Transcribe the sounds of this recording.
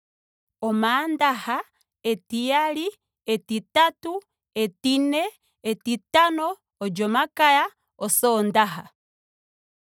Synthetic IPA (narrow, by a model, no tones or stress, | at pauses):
omaːndaha | etijali | etitatu | etinɛ | etitanɔː | d͡ʒomakaja | ɔsoːndaɦa